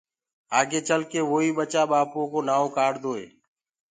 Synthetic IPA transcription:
aːɡeːt͡ʃəlkeːʋoːiːɓət͡ʃaːɓaːpõːkoːnaːõːkaːɽd̪oːḛː

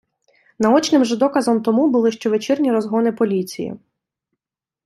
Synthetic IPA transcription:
nɐɔt͡ʃnɪmʒɛd̪ɔkɐzɔmt̪ɔmubʊlˠɪʃt͡ʃɔʋet͡ʃɪrnʲiɾɔzɦɔnɪpɔlʲit͡sʲḭjḭ

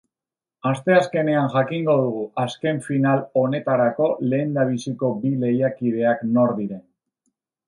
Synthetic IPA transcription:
ast̪e̞aske̞ne̞anʝakiŋɡo̞ð̞uɣ̞uaske̞ɱfinalo̞ne̞t̪aɾako̞le̞ːnd̪aβ̞isiko̞bile̞jakiðe̞akno̞ɾðiɾe̞n

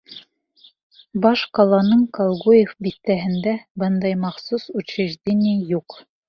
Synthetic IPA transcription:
bɑʃqɑlˠɑnɤɴkɑlˠʁujefbit̪ːæɦɘ̆nd̪æbɤnd̪ɑjmɑχsusut͡ɕeʒd̪ʲenʲijuq

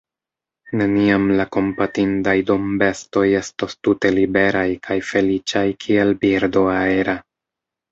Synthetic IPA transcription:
ne̞niamlako̞mpatindajdo̞mbe̞sto̞je̞stostute̞libe̞ɾajkʰajfe̞lit͡ʃajkʰielbiɾdo̞aeɾa

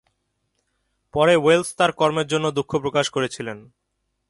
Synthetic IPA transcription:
pɔɾewelst̪aɾkɔɾmeɾd͡ʑonːod̪ukʰːopɾokaʃkoɾet͡ɕʰilen

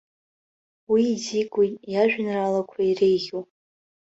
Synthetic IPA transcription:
wiːzikʼutʼjaʒᶣnralakʷʰairejɣʲu

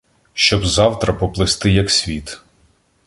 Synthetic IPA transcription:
ʃt͡ʃɔbzɑwt̪ɾɐpɔplˠɪst̪ɪjɐksʲʋʲit̪

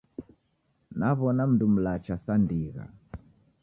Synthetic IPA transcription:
naβɔnam̩dum̩lat͡ʃasandiɣa̰

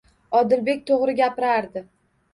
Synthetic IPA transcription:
ɒd̪ɪlbe̞kʲt̪ʰoʁɾɪɡʲapɪɾaɾd̪ɪ

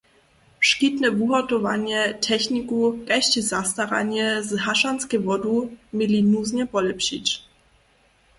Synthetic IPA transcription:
fʂkit̪nɛvuɦɔtɔva̰ɲɛtʰɛçnʲikukaɕt͡ɕizast̪aɾa̰ɲɛzɦaʂanskɛvɔdumilinuzɲɛpɔlɛpɕḭt͡ɕ

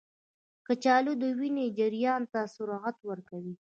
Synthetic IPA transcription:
kət͡ʃɑlod̪əwined͡ʒɪɾjɑnt̪asʊɾɑɣat̪wəɾkawi

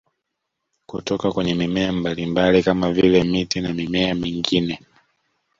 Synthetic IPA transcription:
kutɔkakwɛɲɛmimɛambalimbalikamavilɛmitinamimɛamiŋɡinɛ

